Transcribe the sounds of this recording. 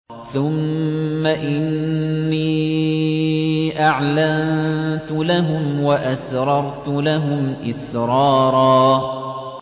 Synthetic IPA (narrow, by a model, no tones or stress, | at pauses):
θʊmːaʔɪnːiː | ʔaʕlannt̪ʊlaɦʊmwaʔasɾˤɑɾˤt̪ʊlaɦʊmʔɪsɾˤɑːɾˤɑː